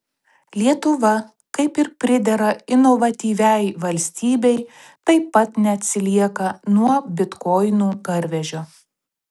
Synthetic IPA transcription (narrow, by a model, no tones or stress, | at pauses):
lʲiɛt̪ʊʋɐ | kɐɪpɪɾpʲɾʲɪd̪ʲɛɾɐɪnɔʋɐt̪ʲiːʋʲɛˑɪʋɐlʲsʲt̪ʲiːbʲɛɪ | t̪ɐɪpːɐt̪nʲɛɐt̪ʲsʲɪlʲiɛkɐnuɔbʲɪt̪kɔɪnuːɡɐɾʲʋʲɛʒʲoː